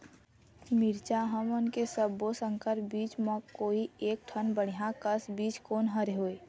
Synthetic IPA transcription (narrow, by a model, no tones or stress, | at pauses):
miɾt͡ʃaɦəmənkesəbːosəŋkəɾbiːt͡ʃməkoːieːk̚ʈʰənbəɽ̤ijãkəsbiːt͡ʃkoːnɦəɾeɦoe